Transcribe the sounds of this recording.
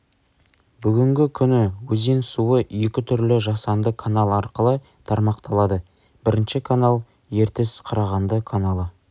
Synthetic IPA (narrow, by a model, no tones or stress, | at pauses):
bʏɡʲɪŋɡʲɪkʲʰʏnɪwɵzensuəe̞kʲɪt̪ʰʏɾlɪʒɑsɑnd̪əkʰanalˠɑɾqəlˠə | t̪ʰɑɾmɑqt̪ʰɑlˠɑd̪ə | bɪɾɪnʃɪkʰanalˠ | je̞ɾt̪ɪsqʰɑɾɑʁɑnd̪əkʰanɑlˠə